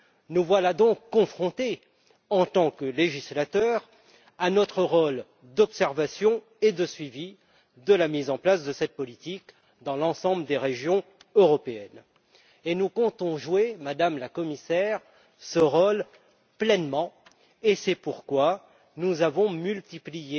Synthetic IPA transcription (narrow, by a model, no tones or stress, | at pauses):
nuvwalad̪ɔ̃kːɔ̃fχɔ̃t̪e | ɑ̃t̪ɑ̃kəleʒislat̪œʁ | anɔt̪χəʁol | d̪ɔpsɛʁvasjɔ̃ | ed̪əsɥivi | d̪əlamizɑ̃plasd̪əsɛt̪̚pɔlit̪ik | d̪ɑ̃lɑ̃sɑ̃bləd̪eʁeʒjɔ̃øʁɔpeɛn | enukɔ̃t̪ɔ̃ʒwemad̪amlakɔmisɛʁ | səʁol | plɛnmɑ̃ | esɛpuʁkwa | nuzavɔ̃mylt̪iplije